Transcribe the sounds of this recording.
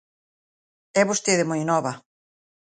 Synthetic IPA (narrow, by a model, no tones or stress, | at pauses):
ɛβost̪eðemojnɔβɐ